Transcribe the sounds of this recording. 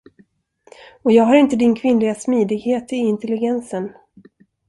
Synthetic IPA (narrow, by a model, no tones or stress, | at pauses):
ɔjɑːɡɦaɾɪnt̪əd̪ɪnkʰvɪnlɪɡasmiːd̪ɪɡheːt̪ɪɪnt̪ɛlːɪɡɛnsən